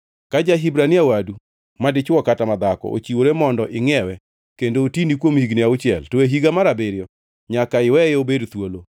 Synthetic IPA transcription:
kad͡ʒaɦibɾaniawadu | madɪt͡ʃwɔkatamad̪akɔ̰ʔo̰t͡ʃiwoɾemɔndɔʔɪŋɛwɛ | kendoːtinikwomhiɡniaʊt͡ʃɪɛ̰ltoeɦiɡamaɾabeɾjɔ | ɲakaɪwɛobedt̪wolo

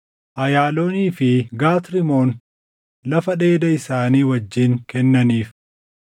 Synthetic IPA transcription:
ʔɐjaːloːniːfɪɡaːt̪ɾɪmoːn | lɐfɐᶑe̞ːd̪ɐɪsaːniːwɐd͡ʒːɪŋkɛnːɐniːf

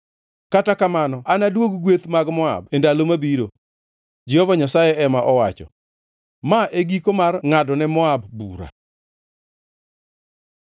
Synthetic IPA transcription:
katakamanɔanadwoɡɡwet̪maɡmɔa̰bendalomabiɾo | d͡ʒɛhɔvaɲasajɛʔɛmaʔɔwat͡ʃɔ̰ | maʔeɡikomarŋadɔnɛmɔabːuɾa̰

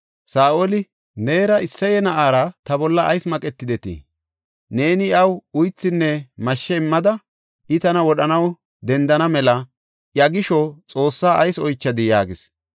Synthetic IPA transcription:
saːʔolɪ | ne̞ːɾɐɪsːɐjɛnɐʔaːɾɐt̪ɐbɔlːɐʔɐjsmɐkʼɛt̪ːɪd̪ɛt̪ḭ | ne̞ːnɪɐwʊjt͡sːɪnːɛmɐʃːɛɪmːɐd̪ɐ | ʔɪt̪ɐnɐwɔɗɐnɐw | d̪ɛnd̪ɐnɐmɛlɐ | jɐɡɪʃɔt͡sʼo̞ːsːaːʔɐjsɔjt͡ʃːɐd̪ɪjaːɡɪs

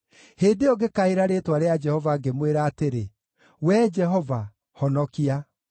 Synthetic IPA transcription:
heːdeɔɡekaeɾaɾeːtwaɾead͡ʒɛhɔvaɡemweɾaːteɾe | wɛːd͡ʒɛɦɔva | hɔnɔkia

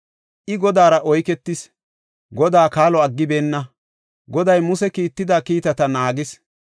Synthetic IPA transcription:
ʔɪɡɔd̪aːɾɐʔɔjkɛt̪ːɪs | ɡɔd̪aːkaːlɔɐɡːɪbe̞ːnːɐ | ɡɔd̪ɐjmʊsɛkiːt̪ːɪd̪aːkiːt̪ɐt̪ɐnaːɡɪs

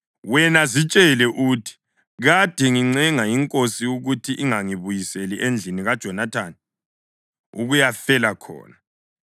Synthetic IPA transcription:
wɛnazit͡ʃʼɛlɛʔutʰi̥ | ɣad̥ʱɛŋiŋ͡ǀɛŋajiŋkʼosiuɣutʰiʔiŋaŋiβujiseliʔend͡ɮʱiniɣad̥ʒ̥ʱɔnatʰani | ṵɣujafɛlakʰɔ̰ːna

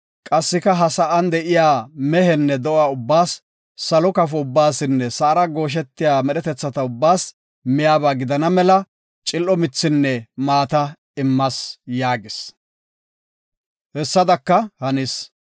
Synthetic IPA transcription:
kʼɐsːɪkɐɦɐsɐʔɐnd̪ɛʔɪjaːmɛɦɛnːɛd̪ɔʔaːʊbːaːsː | ɐlɔkɐfɔʊbːaːsɪnːɛsɐːɾɐɡo̞ːʃ̬ɛt̪ːɪjaːmɛɗɛt̪ɛt͡sːɐt̪ɐʊbːaːs | mɪjaːbaːɡɪd̪ɐnɐmɛlɐ | t͡ʃʼɪlʔɔmɪt͡sːɪnːɛmaːt̪ɐ | ɪmːɐsjaːɡɪs | hɛsːɐd̪ɐkːɐhɐnɪs

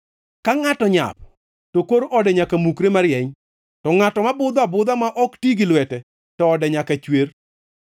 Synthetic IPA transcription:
kaŋatɔɲa̰p̚ | tokoɾɔdɛɲakamukɾemaɾɪjɛɲ | tɔŋatɔmabʊd̪ɔabʊd̪amaʔɔktiɡɪlwɛtɛ | tɔɔdɛɲakat͡ʃwer

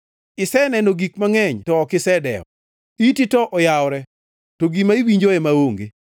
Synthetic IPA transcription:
ɪsɛnɛnoɡikmaŋɛɲtɔːkɪsɛdɛ̰ɔ̰ | ititɔʔɔjawɾɛ | toɡimaiwiɲd͡ʒoɛmaoŋɡḛ

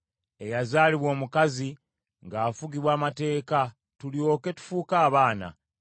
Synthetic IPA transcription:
e̞jazaːliβwo̞ːmukazi | ŋɡaːfuɡiβwaːmate̞ːka | tulio̞ːke̞tu̥fuːkaːβaːna̰

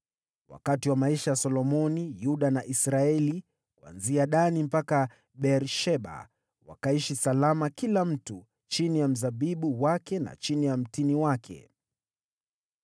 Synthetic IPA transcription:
wa̰katiwamaiʃajasɔlɔmɔnijuɗanaʔisɾaɛli | kua̰nziaɗanim̩paka | ɓɛɾʃɛɓa̰ | wa̰kaiʃisalamakilam̩tu | t͡ʃinijam̩zaɓiɓuwakɛna̰t͡ʃinijam̩tiniwakʰɛ̰

